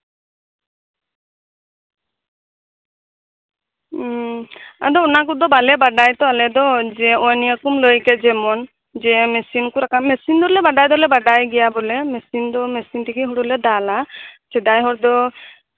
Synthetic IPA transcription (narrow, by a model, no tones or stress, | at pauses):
a̰d̪ɔɔnak̬ud̪ɔbalɛbaɖajt̪ɔalɛd̪ɔd͡ʒɛɔjniəkumlɔjkɛd͡ʒɛmɔn | d͡ʒɛmɛsinkuɾakamɛsind̪ɔɾlɛbaɖajd̪ɔlɛbaɖajɡɛjabɔlɛmɛsind̪ɔmɛsint̪ikiɦuɽulɛd̪alasɛd̪ajɦɔɾd̪ɔ